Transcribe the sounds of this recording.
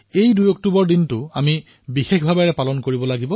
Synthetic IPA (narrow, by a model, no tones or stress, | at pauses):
ejdujɔk̚tubɔɹdintʊami | bixexbʱabɛɹɛpalɔnkoɹibɔlaɡibɔ